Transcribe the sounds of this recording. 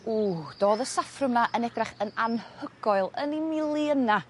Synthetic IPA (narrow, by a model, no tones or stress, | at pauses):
uːd̥oːðəsafrʊmnaʔənɛdraχənanhəɡ̥ɔɨlˠənimɪlˠiəna